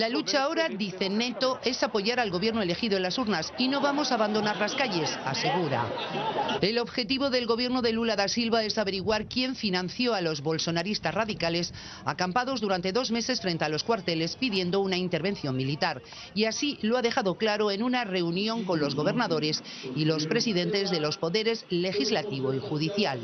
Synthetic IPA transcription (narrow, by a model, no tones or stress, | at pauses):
lalut͡ʃao̞ɾad̪iθe̞ne̞t̪o̞ʔe̞sapo̞ʝaɾalɣo̞βje̞ɾnoele̞xiðoenlasuɾnasino̞βamo̞saːβand̪o̞naɾlaskaʝe̞sase̞ɣ̞uɾa̰ | e̞lo̞βxe̞t̪iβo̞ðe̞lɣo̞β̞je̞ɾno̞ðe̞lulaðasilβae̞saβe̞ɾiɣwaɾkje̞ɱfinãnθjo̞alo̞zβo̞lso̞naɾist̪asraðikale̞s | a̰kampað̞o̞zðuɾant̪e̞ðo̞zme̞se̞sfɾent̪ealo̞skwaɾt̪e̞le̞spiðje̞nd̪o̞unaint̪e̞ɾβe̞nθjo̞mmilit̪aɾ | iasiloaðe̞xaðo̞klaɾo̞e̞nunare̞unjõ̞ŋko̞nlo̞zɣo̞β̞e̞ɾnaðo̞ɾe̞silo̞spɾe̞siðe̞nt̪e̞zðe̞lo̞spo̞ðe̞ɾe̞zle̞xizlat̪iβ̞o̞ixuðiθjal